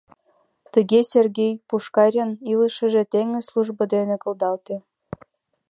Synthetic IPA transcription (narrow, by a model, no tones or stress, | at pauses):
t̪ə̆ɣesʲerɣʲejpuʃkɑɾʲɤniləʃə̆ʒĕt̪eŋə̆slˠuʒbɤ̆d̪enĕkɤ̆ld̪ɑlt̪e